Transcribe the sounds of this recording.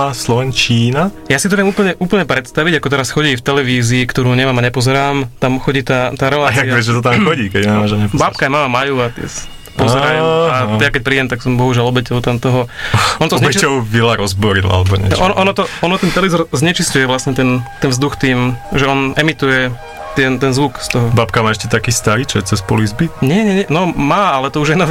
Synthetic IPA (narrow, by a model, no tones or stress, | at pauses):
aslɔʋɛnt͡ʃiːnajaːsit̪̬ɔʋɪɛmuːpl̩ɲɛʔuːpl̩ɲɛpɾɛt̪st̪aʋiɟakɔt̪ɛɾasxɔɟiːft̪ɛlɛʋiːziːkt̪ɔɾuːɲɛʋaːmaɲɛpɔzɛɾaːmt̪amxɔɟiːt̪at̪aːɾɛlaːjaiaʋɛzʒɛt̪at̪amxɔɟiːkɛɟɛmaʒɛɲɛpbaːp̚kajmamamajuːat̪ɛ̰s | pɔzɛɾajɛmajakɛc̚pɾiːɟɛmt̪aksɔmbɔɦuʒɪalɔbɛcɔʊt̪amt̪ɔɦɔʔɔnt̪ɔzɲɛt͡ʃit͡ɕɔʊvilaɾɔzbɔɾila̰lɛbɔɲɛʔɔnʔɔnɔt̪ɔɔnɔt̪ɛnt̪ɛlizɔɾzɲɛt͡ʃiscujɛʋlasɲɛt̪ɛnt̪ɛnvzd̪uxt̪iːmʒɛɔnɛmit̪ujɛ | t̪ɪɛnt̪ɛnzʋukst̪ɔɦɔbaːpkamaːɛʃcɛt̪akiːst̪aɾiːt͡ʃɛ̰t͡sɛspɔlizbit̪ɲɛɲɛɲɛnɔmaːalɛt̪ɔuʒajnɔ